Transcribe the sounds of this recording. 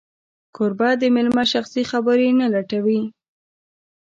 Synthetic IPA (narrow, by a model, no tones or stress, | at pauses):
kʰʊɾbad̪əmɪlmaʃaxsixabəɾenalaʈawi